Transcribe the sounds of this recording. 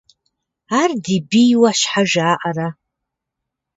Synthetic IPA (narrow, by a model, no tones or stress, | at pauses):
ardibijwaʃħaʒaːʔara